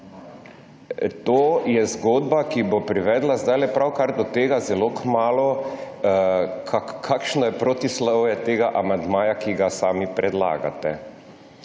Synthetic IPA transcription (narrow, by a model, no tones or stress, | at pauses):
t̪oːjɛzɡoːd̪bakibopɾiʋɛːd̪lazd̪ajlɛpɾawkaɾd̪ɔt̪eːɡazɛloːkmaːlɔ | kʰakkʰːakʃnɔjɛpɾot̪islɔwjɛt̪eːɡaʔamand̪maːjakiɡasaːmipɾʔɛd̪la̰ːɡa̰t̪ɛ